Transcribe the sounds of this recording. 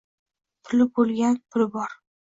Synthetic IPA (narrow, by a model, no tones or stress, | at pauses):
pʰʊlɪbolɡʲanpʰʊlɪbɒɾ